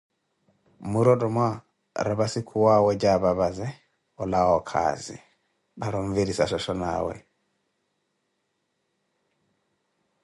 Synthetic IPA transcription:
muɾɔdɔmwa | ɾaβasikʰuwawɛd͡ʒaβaβazɛ | ɔlawɔkʰa̰zḭ | baɾɔɱviɾisaʃɔʃɔna̰wɛ̰

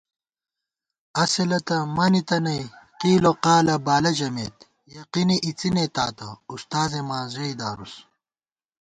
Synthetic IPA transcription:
ɐselɐt̪ɐmɐnit̪ɐnɐjqiːloqaːlɐbaːlɐd͡ʑɐmeːt̪ | jɐqiniʔit͡sinet̪aːt̪ɐ̰ust̪aːzemaːzɐjd̪aːɾus

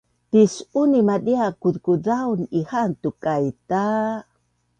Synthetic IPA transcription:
t̪isunimadiakud̪kudawnihant̪ukajt̪a

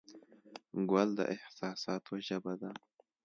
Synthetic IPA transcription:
ɡwald̪ə̰ʔɪhsɑːsɑːt̪ʰoʒabad̪a

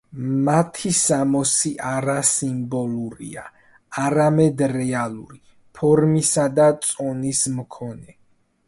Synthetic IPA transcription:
mat̪ʰisamɔsiʔaɾasimbɔlˠuɾḭa | aɾamɛd̪ɾɛalˠuɾi | pʰɔɾmisad̪at̪sʼɔnismkʰɔnɛ

